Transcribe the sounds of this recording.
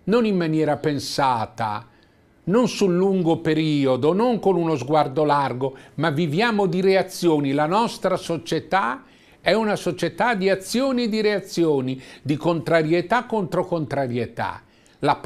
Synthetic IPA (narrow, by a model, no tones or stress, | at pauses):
nonimːanjɛːɾapensaːt̪a̰ | nonsulːuŋɡopeɾiːod̪onoŋkonunozɡward̪olarɡomavːivjaːmod̪iɾeat̪sːjoːnilanɔst̪ɾasot͡ʃet̪a | ɛunasot͡ʃet̪ad̪iat̪sːjoːnid̪iɾeat̪sːjoːnid̪ikont̪ɾaɾjet̪akːont̪ɾokont̪ɾaɾjet̪a̰ | lap